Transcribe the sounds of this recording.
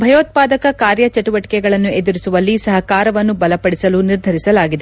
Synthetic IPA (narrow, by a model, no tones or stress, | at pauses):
bʱɐjoːt̪̚paːd̪ɐkɐkaːɾjɐt͡ʃɐʈuʋɐʈi̥kɛɡɐɭɐnːued̪uɾisuʋɐlːisɐɦɐkaːɾɐʋɐnːubɐlɐpɐɽisɐluniɾd̪ʱɐɾisɐlaːɡid̪e